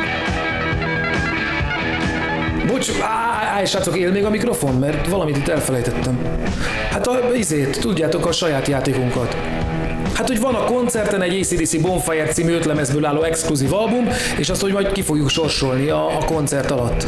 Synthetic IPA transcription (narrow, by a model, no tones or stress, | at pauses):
bot͡ʃː | aːjʃaːt̪so̞keːlmeːɡɒmikɾo̞fo̞nmɛrt̪ʋɒlɒmit̪it̪ːɛlfɛlɛjt̪ɛt̪ːɛm | hat̪ɒizeːt̪ːuɟːaːt̪o̞kɒʃɒjaːt̪jaːt̪eːkuŋkɒt̪ | hat̪ho̞ɟʋɒnɒko̞nt̪sɛrt̪ɛnɛɟeːsiːd̪iːsibo̞ɱfajɛrt̪siːmyøt̪lɛmɛzbøːlaːlːoːɛkskluziːvɒlbum | eːʃɒst̪ho̞ɟmɒjt̪kifo̞ɡjukʃo̞rʃo̞lniɒːko̞nt̪sɛrt̪ɒlɒt̪ː